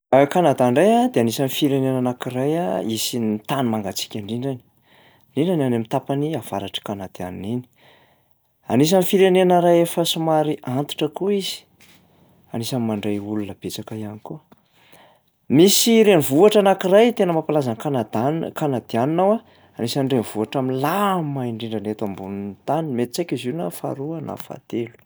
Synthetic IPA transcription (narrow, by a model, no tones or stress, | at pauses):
kanad̪aɳɖ͡ʐajad̪eanisanifiɾenenanakirajaisint̪animaŋɡat͡si̥kʲaɳɖ͡ʐiɳɖ͡ʐani̥ | ɳɖ͡ʐiɳɖ͡ʐananamit̪apaniav̥a̰ɾaʈ͡ʂə̥kanad̪̥ia̰nnini̥ | a̰nis̬anifiɾenenəɾajefəsumaɾiʔant̪i̥ʈ͡ʂəkuizi̥ | anisamimaɳɖ͡ʐajulunəb̥et͡sakəianikuə | misiɾenivuaʈ͡ʂanakirajt̪enəmapalazankanad̪akanad̪̥ianinawa | anisanɳɖ͡ʐeniv̥uaʈ͡ʂamilamaiɳɖ͡ʐiɳɖ͡ʐanet̪ambunint̪animet̪it͡sajkizinafa̰ɾuana̰fa̰t̪elu̥